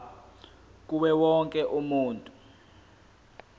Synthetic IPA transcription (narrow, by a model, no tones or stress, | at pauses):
k̬uɓɛwɔŋkʼɛʔumuːntʼu